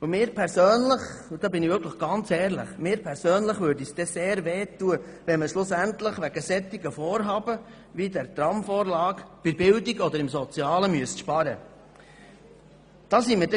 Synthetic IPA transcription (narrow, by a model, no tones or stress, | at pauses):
mɪːɾpʰɛɾsøːnləχud̥ɑːbɪniʋʏɾkʰləχɡ̥ɑnt͡sɛːɾlə̰χmɪːɾpʰɛɾsøːnləχʋøːɾdisd̥ɛseːɾʋeːt̪uəʋɛnməʃlʊsænt̪ləχʋæɡəsɛt̪iɡəfɔːɾɦɑːbə | ʋid̪æɾt̪ɾɑmfɔːɾlɑːkb̥ɪbɪldiɡɔd̪əɾɪmsɔt͡siɑːləmyəsʃpɑɾə | d̪̥ɑːsimədɛ